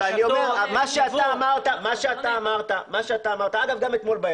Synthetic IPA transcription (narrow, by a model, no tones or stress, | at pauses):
aniomeʁamaʃeat̪aːmaʁt̪amaʃeat̪aːmaʁt̪amaʃeat̪aːmaʁt̪aaɡafɡame̞t̪mo̞lba